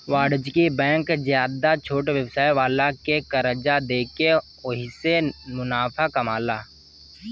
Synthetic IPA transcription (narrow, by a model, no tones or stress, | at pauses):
waːɽd͡ʒkibɛ̃ːŋkzjaːd̪at͡ʃʰoːʈʋjəwsaːjʋaːlakekəɾəd͡ʒad̪eːke | ʊɦisemʊnaːpʰakɐmaːlaː